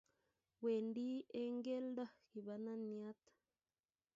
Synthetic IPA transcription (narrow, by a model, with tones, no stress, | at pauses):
we˨ndi˦e˦ŋɡe˦ld̪a˦ki˨βa˨˧nã˦ni˧a˦t̪ḁ